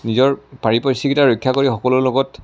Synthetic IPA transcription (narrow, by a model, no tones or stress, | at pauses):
nizɔɹpaɹipɔjsikitaɹɔjkʰːjakoɹixɔkɔlʊloɡɔt